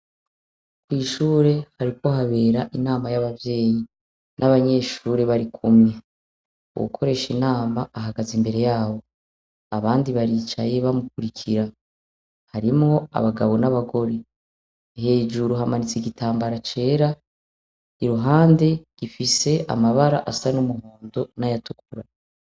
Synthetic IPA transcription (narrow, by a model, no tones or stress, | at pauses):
kwiːʃuːɾe̞haɾiko̞ɦaβe̞ːɾaʔinaːmajaβavje̞ːji | nʔaβaɲe̞ʃuːɾeβaɾikʰumɲe | wṵkʰo̞ɾe̞ʃinaːmaaɦaɡazimbe̞ɾe̞jaːβo̞ | aβaːndiβaɾiːt͡ʃaje̞βamukuɾikʰiɾa | haɾimŋo̞a̰βaɡaβo̞naβaɡo̞ɾe | he̞ːd͡ʒuɾuɦamanit͡siɟitʰaːmbaɾat͡ʃe̞ːɾa | iɾuɦaːnde̞ɡ̥ifise̞ʔa̰maβaɾa̰ʔasanumuho̞ːndonajatukuɾa